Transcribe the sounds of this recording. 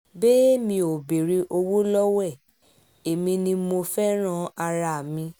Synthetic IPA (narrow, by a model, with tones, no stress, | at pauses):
be˦e˦mĩ˧˦o˨be˨ɾi˧ʔo˧wo˦lɔ˦wɛ˦˨ | e˨mĩ˧nĩ˧mo˧fɛ˦ɾ̃ã˦˨a˧ɾa˧˨mĩ˧